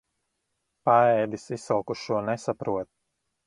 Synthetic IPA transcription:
paɛːd̪isisalˠkuʃuɔnɛsapɾuɔt̪̚

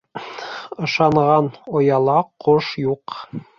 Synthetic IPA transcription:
ɤ̆ʃɑɴʁɑnŏjɑlˠɑqoʃjuq

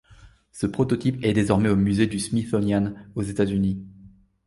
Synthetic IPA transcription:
səpχɔt̪ɔt̪ipɛd̪ezɔʁmɛomyzed̪ysmit̪ɔnjanozet̪azyni

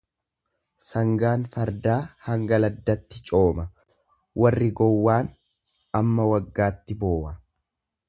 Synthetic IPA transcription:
sɐŋɡaːnfɐɾd̪aːhɐŋɡɐlɐd̪ːɐt̪ːɪt͡ʃʼo̞ːmɐ | wʔɐrːɪɡɔwːaːn | ɐmːɐwɐɡːaːt̪ːɪbo̞ːʔɐ

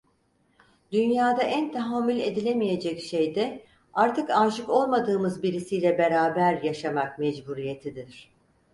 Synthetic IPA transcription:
d̪ynjaːd̪aʔænt̪ʰaɦamːylʲe̞d̪ilʲe̞mije̞d͡ʒɛcʃejd̪ɛ | aɾt̪ʰɯkaːʒɯko̞lˠmad̪ɯːmɯzbiɾisijlʲɛbe̞ɾaːbæɾjaʃamak̚mɛd͡ʒbuɾijet̪ʰid̪iɾ̥

